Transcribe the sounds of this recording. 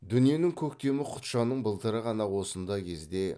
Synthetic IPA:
d̪ʏnije̞nɪŋkʲʰɵkt̪e̞mɪqʰʊ̥t̪ʃɑnəɴbəlˠt̪əɾəʁɑnɑwo̞sənd̪ɑkʲʰe̞zd̪e̞

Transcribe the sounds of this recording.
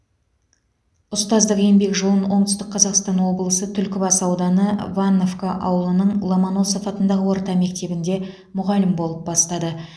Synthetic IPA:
ʊst̪ɑzd̪əqe̞mbe̞kʒo̞lˠənwʔo̞ɴt̪ʏst̪ɪqʰːɑzɑqst̪ɑnwo̞blˠəsət̪ʰʏlkʲɪbɑsɑwd̪ɑnəvanːovkaʔɑ̰wəlˠənəɴlˠomono̞sofɑt̪ənd̪ɑʁəwo̞ɾt̪ɑme̞k̚t̪e̞bɪnd̪e̞ | mʊʁɑlɪmbo̞lˠəp̚bɑst̪ɑd̪ə

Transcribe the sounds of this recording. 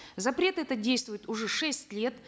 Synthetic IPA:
zɐpɾʲe̞t̪ɛt̪ədʲejst̪vʊjɪt̪ʊʐɛʂɛsʲtʲlʲe̞t̪

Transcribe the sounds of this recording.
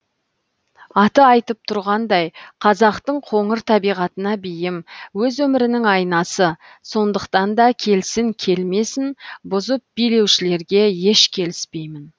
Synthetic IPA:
ɑt̪əɑjt̪əp̚t̪ʰʊɾʁɑnd̪ɑjqʰɑzɑqt̪əɴqʰo̞ɴəɾt̪ʰɑbijʁɑt̪ənɑbejɪmwɵzwɵmɪɾɪnɪŋɑjnɑsə | so̞nd̪əqt̪ɑnd̪ɑkʲʰe̞lsɪŋkʲʰe̞lme̞sɪnbʊzəp̚b̥ijle̞wʃɪle̞ɾɡʲe̞je̞ʃkʲʰe̞lɪspe̞jmɪn

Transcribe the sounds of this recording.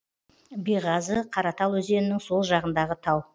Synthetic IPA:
bijʁɑzəqʰɑɾɑt̪ɑlˠwɵze̞nɪnɪŋso̞lˠʒɑʁənd̪ɑʁət̪ʰɑw

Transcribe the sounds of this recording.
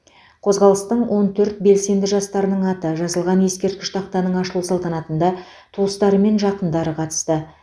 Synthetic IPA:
qʰo̞zʁɑlˠəst̪əɴwʔo̞nt̪ʰɵɾt̪̚be̞lse̞nd̪ɪʒɑst̪ɑɾənəɴɑt̪əʒɑzəlˠʁɑnje̞skʲe̞ɾt̪̚kʲɪ̥ʃt̪ʰɑq̚t̪ɑnəɴɑʃəlˠusɑlˠt̪ɑnɑt̪ənd̪ɑ | t̪ʰuəst̪ɑɾəme̞nʒɑqənd̪ɑɾəqʰɑt̪ə̥st̪ə

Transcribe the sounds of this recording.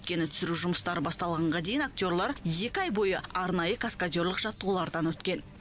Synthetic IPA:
ɵt̪̚kʲe̞nɪt̪ʰʏ̥sɪɾuʒʊməst̪ɑɾəbɑst̪ɑlˠʁɑɴʁɑd̪e̞jɪnak̚t̪ʲjo̞ɾlˠɑɾje̞kʲɪɑjbo̞jəɑɾnɑjəkʰaskad̪ʲjo̞ɾlˠəqʒɑt̪ːəʁulˠɑɾd̪ɑnwɵt̪kʲe̞n

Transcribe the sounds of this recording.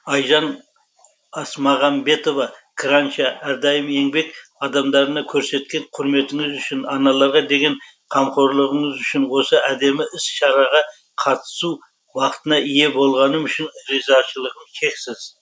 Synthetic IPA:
ɑjʒɑn | ɑsmɑʁɑmbe̞t̪o̞vɑkʰɾanʃɑæɾd̪ɑjəme̞ŋbe̞kɑd̪ɑmd̪ɑɾənɑkʲʰɵɾse̞t̪kʲe̞ŋqʰʊɾme̞t̪ɪŋɪzʏʃɪnɑnɑlˠɑɾʁɑd̪e̞ɡʲe̞n | qʰɑmqʰo̞ɾlˠəʁəɴəzʏʃɪnwo̞səʔæd̪e̞mɪʔɪsʃɑɾɑʁɑ | qʰɑt̪ə̥su | bɑqət̪ənɑije̞bo̞lˠʁɑnəmʏʃɪnɾizɑʃəlˠəʁənʃʲʰe̞ksɪz̥

